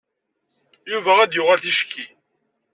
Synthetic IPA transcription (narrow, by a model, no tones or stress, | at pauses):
juvææd̪jʊʁalθiʃkʰːi